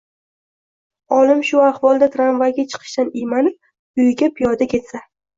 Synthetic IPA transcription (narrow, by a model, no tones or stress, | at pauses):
ɒlɪmʃʊahvɒlˠd̪at̪ʰɾanvaɡʲat͡ʃʰɨ̥qʰɨ̥ʃt̪anɪjmanɪp̚ | ʊjɡʲapʰijɒd̪akʲʰe̞t̪sa